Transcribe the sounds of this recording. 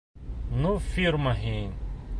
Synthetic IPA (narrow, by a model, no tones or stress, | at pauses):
nufiɾmɐɦĩ